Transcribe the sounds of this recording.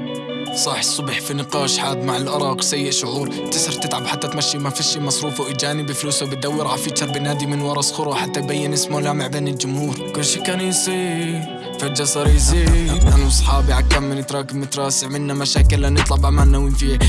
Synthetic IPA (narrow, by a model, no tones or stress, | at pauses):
sˤɑħsˤːʊbħfinɪqɑːʃħaːd̪maʕɪlʔɑɾˤɑːqsajːɪʔʃʊʕuːɾ | t̪ɪsɨɾt̪ɪt̪ʕabħat̪ːat̪maʃːiːmafiʃːiːmɑsˤɾuːfawʔɪd͡ʒaːnɪbɪfluːswbɪt̪̚d̪awːɪɾʕafiːt͡ʃɑɾˤbɪnːaːd̪imɪnwɑɾˤɑsxʊɾˤwħat̪ːajbajːɪnʔɪsmolaːmɪʕbeːnɪld͡ʒʊmhuːɾkʊlːʃikːaniːsi | fad͡ʒasˤɑɾiziʔanasˤħɑːbiʕakːamːɪnɪt̪ɾˤɑːkɪbnɪt̪ɾˤɑːsɪʕmɪnːamaʃaːkɪlːanɨt̪ˤlɑbʔamanːawiːnfiːa